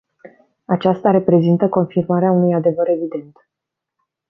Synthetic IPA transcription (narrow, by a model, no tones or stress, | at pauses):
at͡ʃast̪aɾe̞pɾe̞zint̪əko̞nfirmaɾeaunujad̪e̞vəɾe̞vid̪e̞nt̪